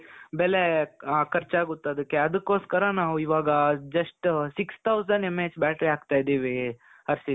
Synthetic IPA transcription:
bɛlekɐɾt͡ʃaːɡut̪ːɐd̪ɐkːeɐd̪ɐkːo̞ːskɐɾɐnaːʋuiʋaːɡɐd͡ʒɐʂʈsikst̪ʰɐwsɐɳɖemːeːd͡ʒbaːʈɾiaːɡt̪aːjd̪iːʋi | ɐɾsi

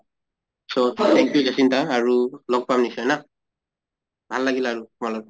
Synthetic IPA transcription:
sotʰɛŋkijuzasintaːɹulɔk̚pamnisɔjna | bʱalːaɡilaɹutʊmalɔk

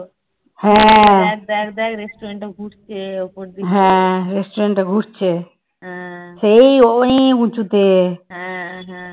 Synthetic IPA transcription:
hɛ̃ɛkd̪ɛkd̪ɛkɾesʈuɾeɳʈaɡʱuʈt͡ʃʰeopoɾd̪iɦɛ̃ɾesʈuɾeɳʈaɡʱuʈt͡ɕʰe | ɦɛ̃sejoʔnikũt͡ʃʰut̪eɦɛ̃ɦɛ̃

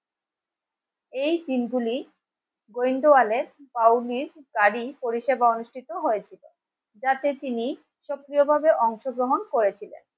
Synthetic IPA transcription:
ejd̪inɡuli | ɡojnd̪oaleɾpawliɾɡaɾipoɾiʃebaonuʃʈʰit̪oɦojet͡ɕʰilo̰ | d͡ʑat̪et̪ini | ʃokɾijobʱabeʔɔŋʃoɡɾoɦonkoɾet͡ɕʰilḛn

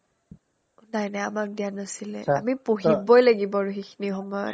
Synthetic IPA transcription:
unajnaamak̚dianasilɛ̰a̰mipoɦibɔjlaɡibɔɹuxixʰinixɔmɔjɔ̰t

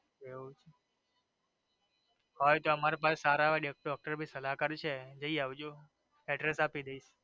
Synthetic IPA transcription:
eũt͡ʃʰe | hojt̪oəmaɾepasesaɾaʋaɖekɖɔk̚ʈəɾbʱisəlakəɾt͡ʃʰed͡ʒəiaʋd͡ʒo | ɛɖɾesapid̪eiʃ

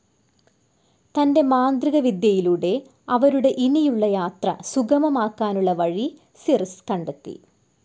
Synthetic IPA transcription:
t̪ɐnde̞maːnd̪riɣɐʋid̪jɐjiluɽe̞ | ɐʋɐɾuɽe̞ʔinijuɭːɐjaːt̪rɐ̰suɡɐmɐmaːkːaːnuɭːɐʋɐɻi | sirskɐɳɖɐt̪ːḭ

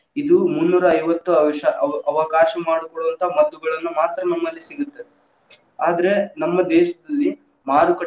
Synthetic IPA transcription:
id̪umunːuːɾɐːjʋɐt̪ːuɐʋʃɐɐʋɐkaːʃɐmaːɽukɔɭuʋɐnt̪ʰɐaːmɐd̪ːuɡɐɭɐnːumaːt̪ɾɐnɐmːɐlːisiɡut̪ːe | aːd̪ɐɾe̞nɐmːɐd̪ɛːʃɐd̪ɐlːi | maːɾukɐ

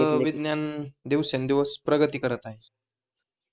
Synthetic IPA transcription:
ʋid̪njand̪iʋsend̪iʋəspɾəɡət̪iːkəɾət̪naɦi

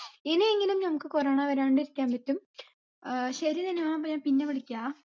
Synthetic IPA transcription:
ineeŋːɡilumnɐmukːɨkoreːɳaʋɐɾaːɳɖiɾikʲːaːmbɐtːum | ɕɐɾit̪ɐnːemaːpːoɲaːnpinːeʋɐɽikʲːuaː

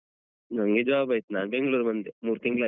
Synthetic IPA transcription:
nəŋɡed͡ʒabajt̪nanbẽŋɡluɾmənd̪emuɾk̪iŋɡla

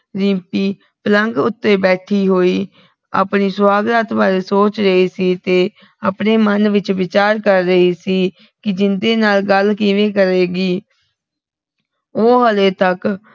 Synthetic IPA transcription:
ɾĩːpiː | pələŋɡʊt̪ːeːbɛːʈʰiːɦoːiː | a̰ːpniːsʋaːɡɾaːt̪baːɾeːsoːt͡ʃɾəɦiːsiːt̪eː | apɳeːmənʋɪt͡ʃʋɪt͡ʃaːɾkəɾːəiːsiː | kɪd͡ʒɪnd̪eːnaːlɡəlkiːʋeːkəɾeːɡiː | oːɦəleːt̪ək

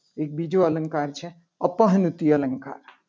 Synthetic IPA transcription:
eːk̚bid͡ʒoɐləŋkaːɾt͡ʃʰe | ɐpəɦnut̪iɐləŋka̰ːɾ

